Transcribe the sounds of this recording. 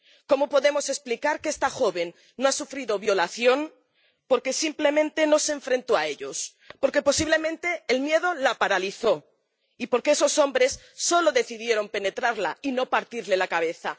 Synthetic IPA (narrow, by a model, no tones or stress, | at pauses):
ko̞mopo̞ðe̞mo̞se̞splikaɾkeest̪axo̞βe̞nː | oasufɾiðo̞βjo̞laθjo̞n | po̞ɾke̞simple̞mẽ̞nt̪e̞no̞seɱfɾẽ̞nt̪o̞ae̞ʎo̞s | po̞ɾke̞po̞siβle̞mẽ̞nt̪e̞ːlmje̞ðo̞lapaɾaliθo̞ | ipo̞ɾkeeso̞so̞mbɾe̞sː | o̞lo̞ðe̞θiðje̞ɾo̞mpe̞ne̞t̪ɾaɾlaino̞paɾt̪iɾle̞lakaβ̞e̞θa̰